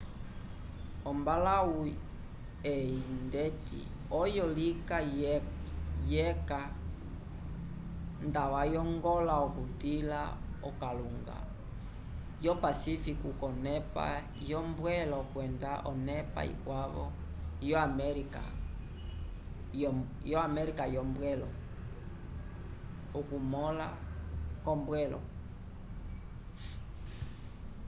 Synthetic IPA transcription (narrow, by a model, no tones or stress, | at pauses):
ɔmbalau | ɛindɛtḭ | ɔjɔlika | jɛka | ndawajɔŋɡɔlaɔkutila̰ɔkaluŋɡa̰ | jɔpasifikukɔnɛpa̰ | jɔmbwɛlɔkwɛndaʔɔnɛpa̰ḭkwaβɔ | jɔamɛɾika̰ | jɔamɛɾikajɔmbwɛlɔ | ɔkumɔla | kɔmbwɛlɔ̰